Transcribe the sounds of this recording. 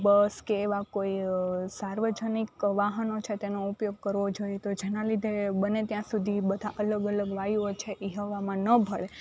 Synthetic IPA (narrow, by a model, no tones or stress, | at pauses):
bəskeːʋakoisaɾʋəd͡ʒənikʋaɦənot͡ʃʰet̪enoupjoɡ̚kəɾʋod͡ʒojet̪od͡ʒenalid̪ʱebənet̪jãsud̪ʱibəd̪ʱaʔələɡələɡʋajiot͡ʃʰeʔiɦəʋamãnəbʱəɭe